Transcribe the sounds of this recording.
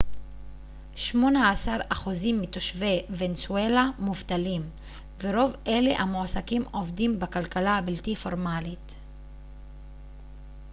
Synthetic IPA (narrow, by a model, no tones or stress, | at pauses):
ʃmo̞naːsaʁaχuzimːitoʃve̞vensuelamuvtalim | veʁo̞vʔe̞lḛʔamoasakimo̞vdimbakalkalaabiltifo̞ʁmalit